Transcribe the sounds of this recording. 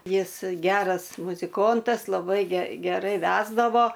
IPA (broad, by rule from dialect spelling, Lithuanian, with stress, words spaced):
ˈjɪs ˈɡʲæːrɐs mʊzʲɪˈkoːntɐs lˠɐˈbɐɪ ɡʲɛ ɡʲɛˈrɐɪ ˈʋʲæːzdɐʋoː